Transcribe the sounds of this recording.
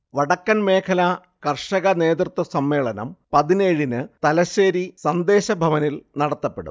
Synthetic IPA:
ʋɐɽɐkːɐnme̞ːkʰɐlɐ | kɐrʂɐɣɐne̞ːd̪rɨt̪ːwɐsɐmːe̞ːɭɐnɐ̰mpɐðineːɻinɨt̪ɐlɐɕeːɾisɐnd̪e̞ːɕɐbʱɐʋɐnilnɐɽɐt̪ːɐpːe̞ɽṵm

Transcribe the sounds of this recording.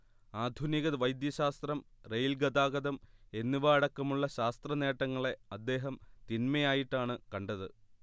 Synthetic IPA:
aːd̪ʱuniɣɐðʋɐjd̪jɐɕaːst̪rɐmrejlɡɐd̪aːɡɐd̪ɐme̞nːiʋɐɐɽɐkːɐmuɭːɐɕaːst̪rɐne̞ːʈːɐŋːɐɭe̞ɐd̪ːe̞ːɦɐmt̪inmɐjaːjiʈːaːɳɨkɐɳɖɐðɨ

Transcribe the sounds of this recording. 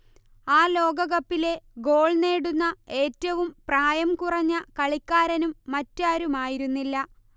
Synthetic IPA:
aːlo̞ːɡɐɣɐpːile̞ɡo̞ːɭne̞ːɽunːɐe̞ːtːɐʋumpraːjɐmkurɐɲːɐkɐɭikʲːaːɾɐnumːɐtːaːɾumaːjiɾunːilːɐ

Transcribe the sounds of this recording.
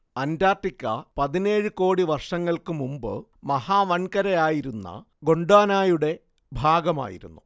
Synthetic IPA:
ɐndaːʈːikʲːɐ̰pɐðine̞ːɻɨko̞ːɽiʋɐrʂɐŋːɐɭkɨmumbɨ̰mɐhaːʋɐɳkɐɾɐjaːjiɾunːɐ̰ | ɡo̞ɳɖaːnaːjuɽe̞ | bʱaːɡɐma̰ːjḭɾṵnːu

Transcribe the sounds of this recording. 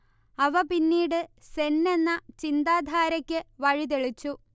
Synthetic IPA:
ɐʋɐpinːiːɽɨsenːe̞nːɐt͡ɕind̪aːd̪ʱaːɾɐkʲːɨʋɐɻit̪̬eɭit͡ɕːu

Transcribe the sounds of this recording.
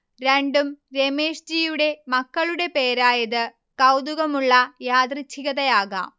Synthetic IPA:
ɾeɳɖumɾe̞me̞ːʂd͡ʑiːjuɽe̞mɐkːɐɭuɽe̞pe̞ːɾaːjɐðɨ | kɐwd̪uɣɐmuɭːɐjaːd̪rit͡ɕʰːiɣɐðɐjaːɣa̰ːm

